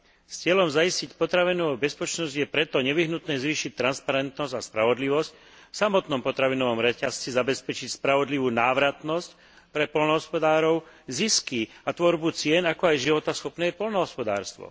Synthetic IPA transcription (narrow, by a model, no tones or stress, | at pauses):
st͡sɪɛlɔmzaiscicpɔt̪ɾaʋinɔʋuːbɛspɛt͡ʃnɔzɟjɛpɾɛt̪ɔɲɛʋiɦnut̪nɛːzʋiːʃic̚t̪ːɾanspaɾɛnt̪nɔzaspɾaʋɔd̪liʋɔsc | fsamɔt̪nɔmpɔt̪ɾaʋinɔʋɔmɾɛcast͡sizabɛspɛt͡ʃicspɾaʋɔd̪liʋuːnaːʋɾat̪nɔsc | pɾɛpɔlnɔɦɔspɔd̪aːɾɔʊ | ziskiat̪ʋɔɾbut͡sɪɛnakɔajʒiʋɔt̪asxɔpnɛːɛpɔlnɔɦɔspɔd̪a̰ːɾst̪ʋɔ̰